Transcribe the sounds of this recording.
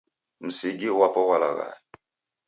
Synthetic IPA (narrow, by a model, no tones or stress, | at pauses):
m̩siɡiwapowala̰ɣa̰